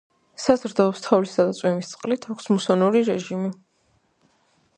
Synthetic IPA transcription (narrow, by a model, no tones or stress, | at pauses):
sazɾd̪ɔɔpst̪ʰavlisad̪at̪sʼwɛmist̪sʼqʼlit̪ʰakʷʰsmusɔnuɾiɾɛʒimi